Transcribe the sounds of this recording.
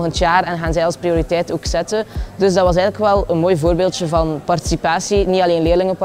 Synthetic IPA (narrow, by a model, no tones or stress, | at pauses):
ɣəntjaːrɛnɣaːnzɛjɑlˠsprioːɾitɛjtoːksɛtədɵzdɑtʋɑs̬ɛjɣənləkʋɛlˠənmoːjvoːrbeːlˠtjəvɑnpɑrti̥sipaːsinitɑleːnleːrlɪŋəp